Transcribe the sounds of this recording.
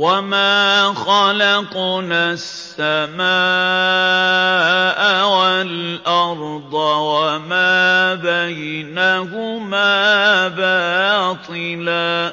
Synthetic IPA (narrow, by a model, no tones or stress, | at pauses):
wamaːxɑlɑqnasːamaː | ʔwalʔɑɾˤd̪ˤɑwamaːbajnaːhʊmaːbaːt̪ˤɨlaː